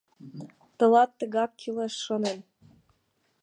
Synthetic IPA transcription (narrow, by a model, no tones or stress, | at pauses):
t̪ɤ̆lɑt̪ːə̆ɣɑkːʰyleʃːɤ̆nen